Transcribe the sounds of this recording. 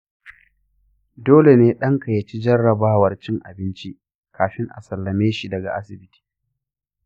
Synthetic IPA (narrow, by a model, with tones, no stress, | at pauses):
doː˦le˨neː˦ɗɐ˦ŋkɐ˨jɐ˨t͡ʃi˦d͡ʒɐ˦rːɐ˨baː˦wɐ˨rt͡ʃɪ˦ŋʔa̰˨bɪ˦nt͡ʃi˦ʔ | kʰaː˨ɸɪ˦ŋʔa̰˨sɐ˨lːɐ˨meː˦ʃi˨dɐ˨ɡa̰˨ʔa˦sɪ˨bɪ˦tʰi̥ː˨